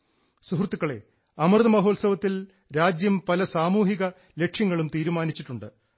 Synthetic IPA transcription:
suɦrt̪ːukːɐɭe̞̰ | ɐmɐrðɐmɐɦo̞ːlsɐʋɐt̪ːil | ɾaːd͡ʑjɐmpɐlɐsaːmuːɦiɣɐ | le̞kʂjɐŋːɐɭumt̪iːɾumaːnit͡ɕːiʈːuɳɖɨ

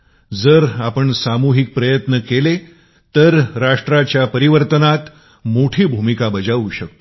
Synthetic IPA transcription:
d͡zəɾapəɳsamuɦik̚pɾəjət̪nəkele | t̪əɾɾaʂʈɾat͡ɕjapəɾiʋəɾt̪ənat̪ | moʈʰiːbʱumikabəd͡ʑaʋuɕək̚t̪o

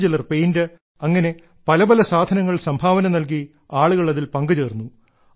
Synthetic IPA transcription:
d͡ʑelɐrpejndɨ | ɐŋːɐne̞ | pɐlɐbɐlɐsaːd̪ʱɐnɐŋːɐɭsɐmbʱaːʋɐnɐmnɐlk̬i | aːɭuɣɐɭɐðilpɐŋɡɨd͡ʑeːrnːu

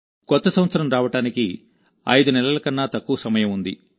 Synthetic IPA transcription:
kɔt̪ːɐsɐmʋɐt̪sɐɾɐmɾaːʋɐʈaːniki | ɐ̰jd̪unɛlɐlɐkɐnːaːt̪ɐkːuːɐsɐmɐjɐmund̪ḭ

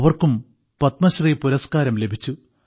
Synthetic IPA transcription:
ɐʋɐrkum | pɐt̪mɐɕriːpuɾɐskaːɾɐmle̞bʱit͡ɕːu

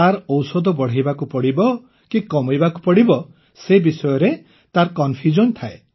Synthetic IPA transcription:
aɾɔwsɔd̪ɔbɔɽ̤ajbakupɔɽibɔ | kikɔmɔjbakupɔɽibɔ | sebisɔjɔɾe | t̪aɾkɔnpʰjud͡ʒɔnt̪ʰae

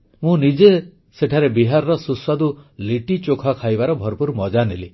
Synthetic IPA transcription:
mũnid͡ʒe | seʈʰaɾebiɦaɾɾɔsuswad̪uliʈit͡ʃokʰakʰajbaɾɔbʱɔɾpuɾmɔd͡ʒanili

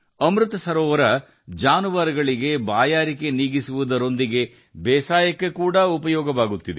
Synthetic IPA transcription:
ɐmɾut̪ɐsɐɾɔːʋɐɾɐ | d͡ʒaːnuʋaːɾɐɡɐɭiɡe̞baːjaːɾike̞niːɡisuʋud̪ɐɾo̞nd̪iɡe̞ | bɛːsaːjɐkːekuːɽɐupɐjɔːɡɐʋaːɡut̪ːid̪e

